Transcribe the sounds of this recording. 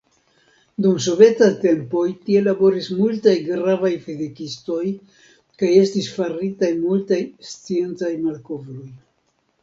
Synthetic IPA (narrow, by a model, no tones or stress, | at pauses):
dums̬o̞vetate̞mpo̞jtie̞labo̞ɾismultajɡɾavajfedekisto̞j | kaje̞stisfaɾitajmultajst͡sie̞nt͡sajmalko̞vɾoj